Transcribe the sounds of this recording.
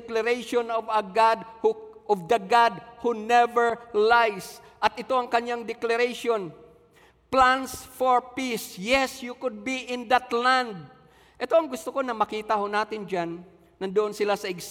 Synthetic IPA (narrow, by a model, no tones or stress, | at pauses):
klɐɾejʃonɔvɐɡad̪̚huʔɔvd̪ɐɡad̪̚hunɛvɛɹlajs | ʔɐt̪ʔɪt̪o̞ʔɐŋkɐɲaŋd̪ɛklaɾeʃon | plansfoɹpisjɛsjukʊd̪̚biʔɪ̃nd̪at̪land̪̚ | ʔɛt̪o̞ɐŋɡʊst̪oko̞nɐmɐkiːt̪ahonaːt̪ɪnd͡ʒanː | ɐnd̪ʊʔonsɪlasɐɪɡs